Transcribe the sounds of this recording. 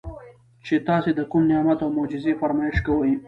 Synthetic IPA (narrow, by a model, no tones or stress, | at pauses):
t͡ʃet̪ɑsed̪əkumnɪjɑmat̪awmod͡ʒɪzefaɾmɑɪʃkawəji